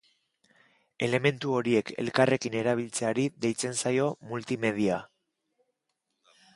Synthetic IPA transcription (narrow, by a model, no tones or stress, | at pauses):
e̞le̞me̞nt̪uo̞ɾie̞kʰe̞̰lkare̞kine̞ɾaβ̞ilt͡se̞aɾiðe̞jt͡se̞nsajo̞mult̪ime̞ð̞ia